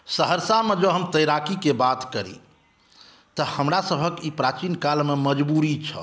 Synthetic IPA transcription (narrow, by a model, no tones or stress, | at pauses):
səɦəɾsamed͡ʒəɦəmt̪əjɾakikebat̪kəɾḭ | t̪əhəmɾasəbʱəkipɾat͡ʃinkalmeməd͡ʒbuɾit͡ʃʰə̰